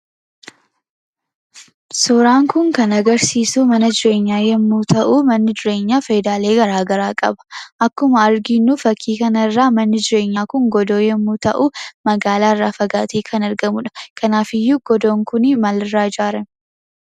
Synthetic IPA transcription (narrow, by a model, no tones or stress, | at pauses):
sɔɾaːŋkʊŋkɐnɐɡɐɾsiːsuːmɐnɐd͡ʒɪɾe̞ːɲːaːjɛmːuːt̪ɐʔuːmɐnːɪd͡ʒɪɾe̞ːɲːaːfɐjd̪aːle̞ːɡɐɾaːɡɐɾaːkʼɐ̰bɐ̥ʔɐkːʊmɐːɾɡinːufɐkːiːkɐnɐɪrːaːmɐnːɪd͡ʒɪɾe̞ːɲːaːkʊŋɡɔd̪o̞ːjɛmːuːt̪ɐʔumɐɡaːlaːɪrːaːfɐɡaːt̪eːkʰɐnɐɾɡɐmʊᶑɐ̥kʰɐnaːfɪjːuɡ̥ɔd̪oːŋkʊnɪmɐlɪrːaːd͡ʒaːɾɐn